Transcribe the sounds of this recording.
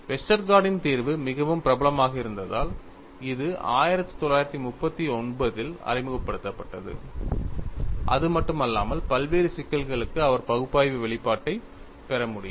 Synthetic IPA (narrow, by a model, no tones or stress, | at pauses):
ʋɛsʈɐɾɡaːɽɪnt̪iːɾʋɯmɪɣɐʋɯmpɪɾɐbɐlɐmaːɣɐɪɾɯnd̪ɐða̰ːl | ɪðɯʔa̰ːjɪɾɐt̪ːɯ̥t̪ɔlːaːjɪɾɐt̪ːimʊpːɐt̪ːiɔɳbɐðɪlɐ̰ɾɪmɯɣɐpːɐɽɯt̪ːɐpːɐʈːɐðɯ̰ | ʔɐ̰ðɯmɐʈːɯmɐlːa̰ːmɐlpɐlʋeːɾɯsɪkːɐlɣɐɭɯkːɯɐʋɐɾpɐɣɯpːaːjʋɯʋɛɭɪpːaːʈːɐɪ | pɛɾɐmʊɽɪ